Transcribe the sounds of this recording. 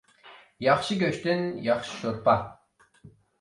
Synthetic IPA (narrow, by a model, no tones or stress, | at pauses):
jɑχʃiɡʲøʃt̪ynjɑχʃi̥ʃoɾpɑ